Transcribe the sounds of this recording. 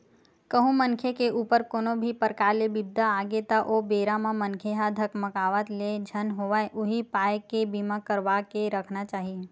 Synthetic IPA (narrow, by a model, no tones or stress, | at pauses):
kəɦũmənkʰekeʔuːpəɾkoːnobʱipəɾkaːlebɪb̚d̪aaːɡet̪aʔoːbeːɾamãmənkʰeɦad̪ʱəkməkaːʋət̪led͡ʒʱənɦoːʋaːʔʊɦipaːjkebimakəɾʋakeɾəkʰnat͡ʃaːɦie